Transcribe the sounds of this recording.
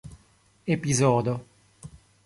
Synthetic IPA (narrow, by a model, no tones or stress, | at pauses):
epizɔːd̪o